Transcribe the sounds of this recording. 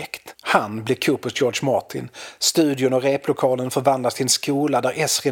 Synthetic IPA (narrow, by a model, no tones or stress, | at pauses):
kt̪hanblɪkʰɵːpɵst̪jɔːɖʂmaʈʰɪ̰nst̪ʉ̟ːd̪ɪʊnɔɾeːplʊkʰɑːlənfœɾvand̪last̪ɪnskuːlad̪æɾʔɛsɾɛ